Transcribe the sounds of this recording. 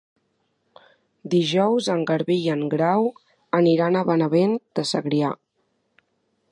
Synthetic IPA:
d̪iʒɔwzəŋɡəɾβiəŋɡɾaw | əniɾanəβənəβend̪̥əsəɣɾia

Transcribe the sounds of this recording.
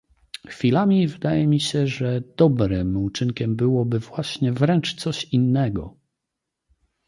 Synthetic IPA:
xfʲilamʲivɘd̪ajɛmʲiɕɛʐɛd̪̥ɔbɾɘmut͡ʂɘŋkʲɛmbɘwɔbɘvwaɕɲɛvɾɛnt͡ʂt̪sɔɕinːɛɡɔ̰

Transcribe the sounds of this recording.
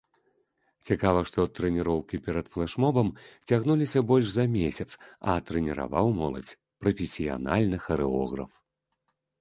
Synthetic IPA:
t͡sʲikavɐʂt̪ɔt̪ɾɛnʲiɾɔwkʲipʲɛɾɐt̪flˠɛʂmɔbɐmt͡sʲaɣnulʲisʲɐbɔlʲʂzɐmʲesʲɐt̪sɐ̰t̪ɾɛnʲiɾa̰vawmɔlˠɐ̰t͡sʲ | pɾɐfʲesʲija̰nalʲnɨxɐɾɨɔ̰ɣɾɐ̰f

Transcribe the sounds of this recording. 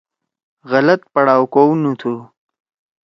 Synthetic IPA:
ɣɐlɐt̪̚pɐɽaːwkownut̪ʰu

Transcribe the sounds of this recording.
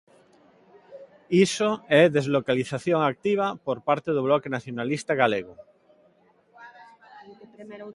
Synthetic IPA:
isoɛðezlokaliθaθjoŋak̚t̪iβ̞apoɾpaɾt̪eðoβlɔkenaθjonalist̪aɣaleɣo

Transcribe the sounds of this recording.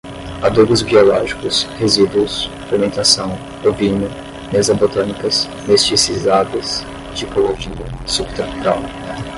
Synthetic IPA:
ad̪uɡʊzbiolɔʒikʊshezid̪uʊsfeɾmẽnt̪asɐ̃w̃ | ovĩɲʊ | mezɐ̃bot̪ɐ̃nikɐs | mest͡ʃisizad̪ɐs | t͡ʃikoloʒinɐsub̚t̪ɾapuɾaw

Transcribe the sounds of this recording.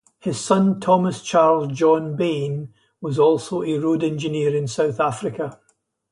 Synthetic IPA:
hɪz̥sʌ̃ntʰɔməst͡ʃʰaɹlˠzd͡ʒɔ̃nbẽn | wɔzɔlˠsoəɹodɛ̃nd͡ʒɪniəɹɪ̃nsaʊθafɹɪkə

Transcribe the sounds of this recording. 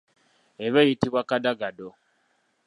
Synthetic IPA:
eβejitiβwakadaɡado

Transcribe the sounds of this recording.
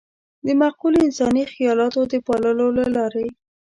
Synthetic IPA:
d̪əmaqulɪnsɑnixɪjɑlɑt̪od̪əpɑləlolalɑɾe

